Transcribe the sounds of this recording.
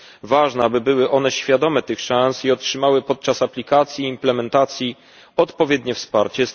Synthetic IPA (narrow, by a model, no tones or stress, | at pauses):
vaʐnɛabɘbɘwɘʔɔn̪ɛɕfʲjad̪ɔmɛt̪ɘxʂasiɔtʂɘmawɘpɔt̪̚t͡ʂasaplʲikat̪sʲjiːmplɛmɛnt̪at̪sʲji | ɔt̪pɔvʲjɛd̪ɲɛfspaɾt͡ɕɛ